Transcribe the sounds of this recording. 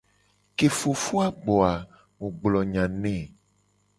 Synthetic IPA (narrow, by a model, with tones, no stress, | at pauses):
ke˨fo˨fu˦a˦ɡ͡bɔ˨a˨ | wo˨ɡ͡blɔ˨ɲã˨nɛ̃˦˨